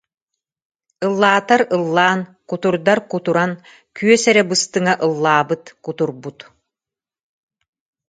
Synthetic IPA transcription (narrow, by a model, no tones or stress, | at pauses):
ɯlˠːaːt̪aɾɯlˠːaːn | kut̪uɾd̪aɾkut̪uɾan | kyœsɛɾɛbɯst̪ɯŋaʔɯlˠːaːbɯt̪kut̪uɾbut̪